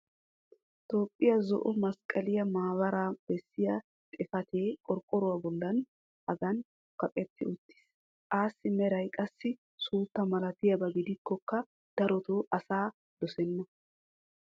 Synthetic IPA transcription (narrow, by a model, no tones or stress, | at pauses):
t̪o̞ːpʼːɪjɐzɔ̰ʔɔmɐskʼɐlɪjɐmaːbɐɾaːb̥ɛsːɪjɐ | t̪ʼɪfɐt̪eːkʼɔɾkʼːɔɾʊwɐbɔlːɐn | ʔɐɡɐn | kɐpʼɛt̪ːɪʊt̪ːɪ̥s | aːsːɪmɛɾɐjkʼɐsːɪ | suːt̪ːɐmɐlɐt̪ɪjɐbɐɡɪd̪ɪkːɔkːɐ | d̪̥ɐɾɔt̪oːʔɐsaː | d̪ɔsɛnːɔ